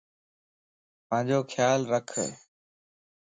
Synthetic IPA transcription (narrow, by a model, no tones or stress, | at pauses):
pə̃ɦd͡ʑoːkʰjaːlɾəkʰə̰